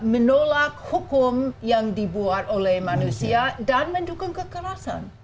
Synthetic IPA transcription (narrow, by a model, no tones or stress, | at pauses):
mənolak̚hukʊmjaŋdibuat̪olɛhmanusiadanməndukʊŋkəkəɾasa̰n